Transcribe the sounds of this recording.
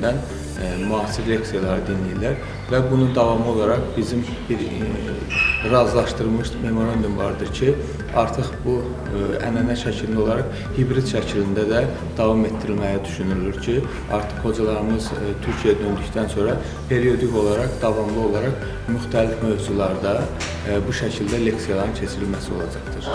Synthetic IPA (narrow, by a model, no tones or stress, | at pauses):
d̪æn | mɑːsiɾːeɑksijɑlˠɑɾɯd̪inlijilæɾ | væbunud̪ɑvɑmɯo̞lˠɑɾɑχbizim | biɾ | ɾɑzlˠɑʃt̪ɯɾlˠmɯʃme̞mo̞ɾɑnd̪umvɑ̰ɾd̪ɯɾcʰi | ɑɾt̪ʰɯχbu | æ̰nænæʃæcʰilind̪o̞lˠɑɾɑχ | hibɾid̪ʃæcʰilind̪æd̪æ | d̪̥ɑvɑme̞t̪ʰd̪iɾilmæjæd̪yʃynyylyɾcʰi | ɑ̰ɾt̪ʰɯ̥χho̞d͡ʒɑlˠɑɾɯmɯzt̪ʰyɾcʰijæd̪ø̞nd̪yct̪ʰænso̞ɾɑ | pʰe̞ɾio̞d̪iko̞lˠɑɾɑqd̪ɑvɑmlˠɯo̞lˠɑɾɑq | myxt̪ʰælifmø̞vzulˠɑɾd̪ɑ | buʃæcʰild̪æleksijɑlˠɑɾɯnt͡ʃʰe̞t͡ʃʰiɾilmæsio̞lˠɑd͡ʒɑχt̪ɯɾ̥